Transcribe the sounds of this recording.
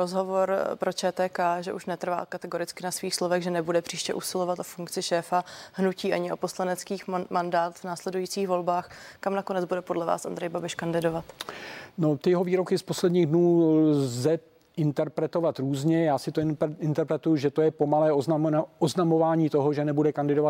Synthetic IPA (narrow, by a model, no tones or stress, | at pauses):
ɾozɦo̞vo̞ɾpɾo̞t͡ʃɛːt̪ɛːkaːʒɛʔuʃnɛt̪r̩va̰ːkat̪ɛɡo̞ɾɪt͡skɪnasviːxslovɛɣʒɛnɛbudɛpr̝̥iːʃcɛʔusɪlo̞vat̪ʔofuŋkt͡sɪʃɛːfahnuciːʔa̰ɲɪo̞po̞slanɛt͡skiːxmandaːt̪vnaːslɛdujiːt͡siːxvo̞lbaːxkamnakonɛd͡zbudɛpo̞dlɛva̰ːsʔa̰nd̪ɾɛjbabɪʃkandɪdo̞vat̪no̞t̪ɪjɛɦoviːɾo̞kɪspo̞slɛdɲiːɣdnuːzzɛ | ʔɪnt̪ɛɾpɾɛt̪o̞vat̪ɾuːzɲɛjaːsɪt̪oɪnt̪ɛɾpɾɛt̪ujuʒɛt̪o̞jɛpo̞malɛːooznamo̞vaːɲiːt̪oɦoʒɛnɛbudɛkandɪdovat̪